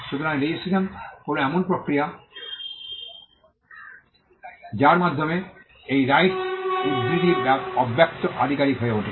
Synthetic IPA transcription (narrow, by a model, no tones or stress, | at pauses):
ʃut̪oɾanlejesʰilamkonoɛmonpɾokɾija | d͡ʑaɾmad̪ʱːome | ejɾajʈsidɾid̪iɾɾaɔbʱːjak̚t̪oʔad̪ʱikaɾikɦojeoʈʰḛ